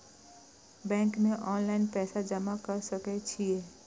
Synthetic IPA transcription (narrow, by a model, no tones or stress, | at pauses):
bɛ̃ːŋkmẽʔɔːnlaɪnpɛːsad͡ʒəmakəɾsəket͡ʃʰieː